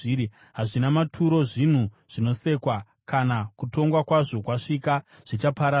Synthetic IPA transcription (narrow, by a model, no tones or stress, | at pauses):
ɾi | ɦaʐinamatʰuɾo̞ʐin̤u | ʐ̥ino̞se̞kwa | kanakuto̞ŋɡwakwaʐo̞kwaʂika | ʐ̥it͡ʃapaɾa